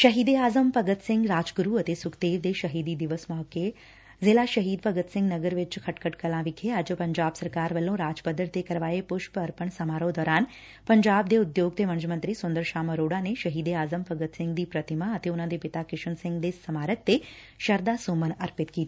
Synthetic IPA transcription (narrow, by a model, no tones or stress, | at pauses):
ʃəɦiːd̪eaːzəmpəɡət̪sɪ̃ŋɡɾaːd͡ʒɡʊɾuɐt̪esʊkd̪eːʋd̪eʃɐɦiːd̪id̪ɪʋəsmɔːɦke | zɪlaʃəɦiːd̪̚pəɡət̪sɪ̃ŋɡnəɡəɾʋɪt͡ʃkʰɐʈkʰəʈkəlãʋɪkʰeaːd͡ʒəpɐɲd͡ʒaːbsəɾkaːɾʋəlːõɾaːd͡ʒpəd̪əɽt̪ekɐɾʋaːepʊʃpəɾpəɳsɐmaːɾõd̪ɔːɾaːn | pəɲd͡ʒaːb̚d̪eʊd̪joːɡ̚t̪emɐ̃nd͡ʒmə̃nt̪ɾisʊ̃nd̪əɾʃaːməɾoːɽaneʃɐɦiːd̪eaːzəmpɐɡət̪sɪ̃ŋɡd̪ipɾɐt̪ɪmaət̪eʊnãd̪epɪt̪akɪʃəɳsɪ̃ŋɡd̪esɐmaːɾək̚t̪e | ʃəɾd̪asoːmənɐɾpɪt̪kiːt̪i